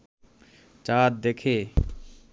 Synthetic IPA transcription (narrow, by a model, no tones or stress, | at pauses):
t͡ɕat̪̚d̪ekʰe